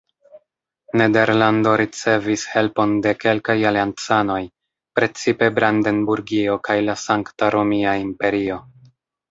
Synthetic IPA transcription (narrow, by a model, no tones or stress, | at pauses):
ne̞de̞ɾlando̞ɾit͡se̞vishe̞lpo̞nde̞ke̞lkajaliant͡sano̞j | pɾe̞t͡sipe̞bɾande̞nbuɾɡio̞kajlasaŋktaɾo̞miaimpe̞ɾio̞